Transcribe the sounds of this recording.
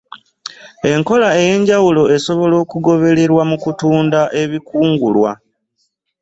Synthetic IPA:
e̞ŋko̞lae̞je̞ɲɟawulo̞e̞so̞βo̞lo̞ːkuɡo̞βe̞le̞ɾwamukutuːndaʔe̞βikuːŋɡṵlwa̰

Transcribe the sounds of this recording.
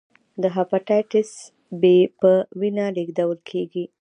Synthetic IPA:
d̪əɦapaʈajʈɪs | bepəwinaɖeɡd̪awəlkʰeɡi

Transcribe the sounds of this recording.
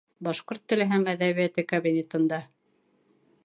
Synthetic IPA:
bɑʃqoɾt̪ːɘ̆lɘ̆ɦæmæðæβijæt̪ɘkɐβʲinʲet̪ɤ̆nd̪ɑ

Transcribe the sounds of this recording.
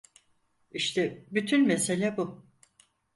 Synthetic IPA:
iʃt̪ʰɛbyt̪ʰynmese̞lʲɛbu

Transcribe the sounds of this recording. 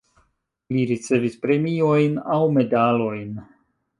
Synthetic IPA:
liɾit͡se̞vispɾe̞mio̞jnawme̞dalo̞jn

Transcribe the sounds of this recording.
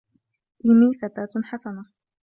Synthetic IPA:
ʔɪmiːfat̪aːt̪ħasana

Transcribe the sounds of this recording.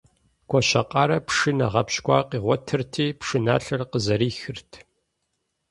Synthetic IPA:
ɡʷɔʃɐqʼɑːɾɐpʂɨnɐʁɐpɕkʷɑːqiːʁʷɔtʰɨrtʰiːpʂɨna̰ːɬɐrqəzɐɾiːxɨrtʰ

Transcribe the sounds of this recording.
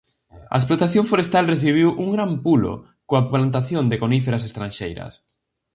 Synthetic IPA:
ɐ̰esplot̪aθjõɱfoɾest̪alreθiβ̞iwʔuŋɡɾampulo̰ | koaplant̪aθjond̪ekonifeɾasest̪ɾãnʲʃḛjɾɐ̰s

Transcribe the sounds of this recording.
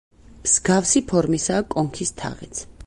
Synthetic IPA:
mz̥ɡafsipʰɔɾmisaːkʼɔŋkʰist̪ʰa̰ʁɛ̰t̪sʰ

